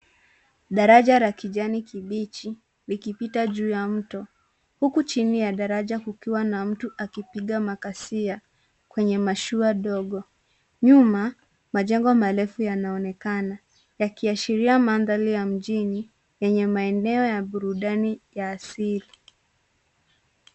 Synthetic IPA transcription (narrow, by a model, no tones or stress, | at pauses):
ɗaɾaʄaɾakiʄanikiɓit͡ʃi | likipitaʄuːjam̩tɔ | hukut͡ʃinijaɗaɾaʄakukiwanam̩tuʔakipiɠamakasia | kwɛɲɛmaʃuaɗɔɠɔ | ɲuma | maʄɛŋɡɔmalɛfujanaɔnɛkana | jakiaʃiɾiamanðalijam̩ʄini | jɛɲɛmaɛnɛɔjaɓuɾuɗanijaːsili